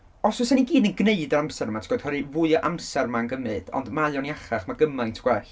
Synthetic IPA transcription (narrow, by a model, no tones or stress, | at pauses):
ɔsʊsaniɡiːdənɡneɨdəɾamsɛɾmatʰɡ̥ɔjd̥hɔɾɨvʊɨɔʔamsɛrmanɡəmɨd̥ɔ̰ndmajɔniaχaχmaɡəmajntʰɡwɛɬ